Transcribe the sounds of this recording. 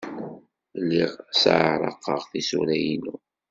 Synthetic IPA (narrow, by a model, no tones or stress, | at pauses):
lːiʁsa̰ʕəɾˤɑ̰qːəʁθisuɾæjinu